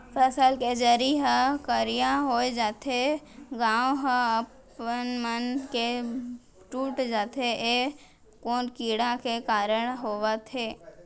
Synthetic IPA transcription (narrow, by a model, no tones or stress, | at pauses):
pʰɛːsəlked͡ʒəɾiɦəkəɾijaɦoed͡ʒaːt̪ʰe | ɡãːõɦəp | ənmənke | ʈuːʈd͡ʒaːt̪ʰee | koːnkiːɽãkekaːɾəɽ̃ɦoːʋat̪ʰeː